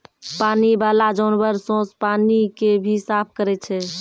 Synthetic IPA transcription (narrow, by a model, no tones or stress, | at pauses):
panibalad͡ʒəʊnbəɾsõspanikebʱisapʰkəɾɛt͡ʃʰɛ